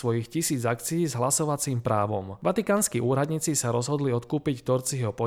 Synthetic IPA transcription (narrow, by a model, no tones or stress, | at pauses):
ʋɔjixcisiːd͡zakt͡siiːzɦlasɔʋat͡siːmpɾaːʋɔmʋat̪ikaːnskiʔuːɾad̪ɲiːt͡sisaɾɔzɦɔd̪liɔt̪kuːpict̪ɔɾt͡siɦɔpɔ